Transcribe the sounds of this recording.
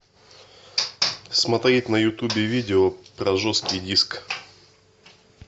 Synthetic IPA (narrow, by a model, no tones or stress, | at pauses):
smɐt̪ɾʲit̪ʲnɐjʊt̪ubʲɪvʲidʲɪopɾɐʐoskʲɪjdʲisk